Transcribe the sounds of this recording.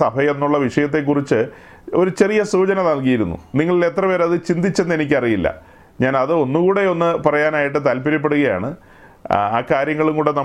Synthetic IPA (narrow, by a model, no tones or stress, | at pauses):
ɐbʱɐjenːuɭːɐʋiʂɐjɐt̪̬ːe̞k̬ːurit͡ɕːɨ | o̞ɾut͡ɕe̞rijɐsuːt͡ɕɐnɐðɐɭk̬ijiɾunːṵniŋːɐɭile̞t̪rɐpe̞ːɾɐðɨt͡ɕind̪it͡ɕːe̞nːe̞nikʲːɐrijilːɐ̰ | ɲaːnɐðɨo̞nːukuːɽe̞o̞nːɨpɐrɐjaːnaːjiʈ̬ːɨt̪aːlpiɾɐp̬ːe̞ɽuɣɐja̰ːɳɨ | a̰ːkaːɾjɐŋːɐɭumkuːɽe̞nɐ